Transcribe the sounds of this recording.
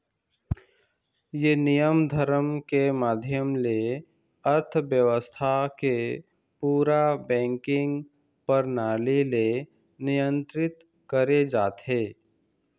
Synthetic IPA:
jenɪjəmd̪ʱəɾəmkemaːd̪ʱjəmle | əɾt̪ʰʋjəʋəst̪ʰake | puːɾabɛ̃ːŋkɪ̃ŋɡ | pəɾnaːlile | nɪjə̃nt̪ɾɪt̪ | kəɾed͡ʒaːt̪ɦeː

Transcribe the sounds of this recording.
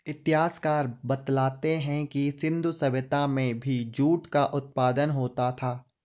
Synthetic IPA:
ɪt̪ɪɦaːskaːɾbɐt̪laːt̪eɦɛ̃kisɪ̃nd̪ʱusɐʋɪt̪amẽbʱid͡ʒuːʈkaʔʊt̪̚paːd̪ənɦoːt̪at̪ʰaː

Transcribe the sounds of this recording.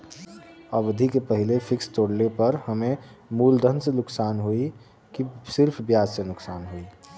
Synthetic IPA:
əʋd̪ʱikepəɦɪlefʰɪkst̪oːɽlepɐɾhəmẽmuːld̪ʱənsenʊksaːnɦui | kisɪɾpʰbjaːd͡ʒsenʊksaːnɦoi

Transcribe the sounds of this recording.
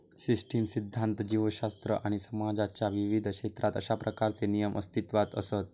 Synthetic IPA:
sisʈʰimsid̪ʱːant̪d͡ʑiʋəɕast̪ɾə̰ʔaɽ̃isəmad͡zat͡ɕjaʋiʋid̪ʱkɕet̪ɾʔat̪ə̰ɕapɾəkaɾt͡senijəmʔə̰st̪it̪ʋat̪əsət̪̚

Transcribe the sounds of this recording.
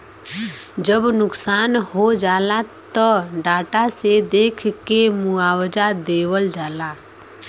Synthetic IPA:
d͡ʒəbnʊksaːnhod͡ʒaːlat̪əɖaːʈased̪eːkʰkemuaːwd͡ʒad̪eːwəld͡ʒaːla

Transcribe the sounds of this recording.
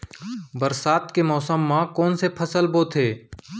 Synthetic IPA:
bəɾsaːt̪kemɔːsəmːãkɔːnsepʰəsəlboːt̪ʰeː

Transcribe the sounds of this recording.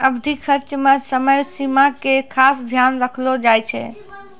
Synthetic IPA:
əbd̪ʱikʰətt͡ʃːmesəməjsimakekʰasd̪ʱjanɾəkʰlod͡ʒajt͡ʃʰɛ̰

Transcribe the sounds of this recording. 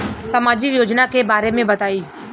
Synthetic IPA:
sɐmaːd͡ʒikjoːd͡ʒnakebaːɾemẽbɐt̪aːiː

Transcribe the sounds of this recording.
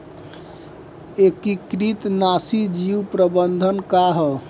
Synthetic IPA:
ekikɾit̪nasid͡ʒiupɾəbənd̪ʱənkaɦɔ

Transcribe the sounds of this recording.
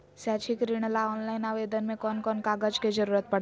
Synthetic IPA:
sat͡ʃʰikɾiɽ̃laɔːnlaɪnaːʋeːd̪ənmẽkɔnkɔnkaɡəd͡ʒked͡ʒəɾuːɾət̪̚pəɽ

